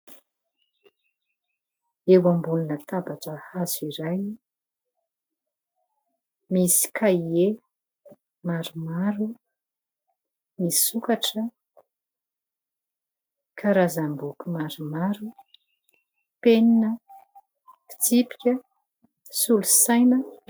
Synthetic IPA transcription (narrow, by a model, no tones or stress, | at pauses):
ewambulunət̪abaʈ͡ʂəhaziɾaj | misi̥kʰaie | maɾumaɾu | misukaʈ͡ʂə | kʰaɾazambukumaɾumaɾu | peninə | i̥t͡sipi̥kʲə | sulusajnə